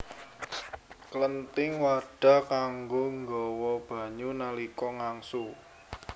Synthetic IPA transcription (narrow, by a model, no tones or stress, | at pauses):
klənt̪ɪŋwaɖ̥a̤kaŋɡoŋɡɔwɔb̥a̤ɲunalikɔŋaŋsu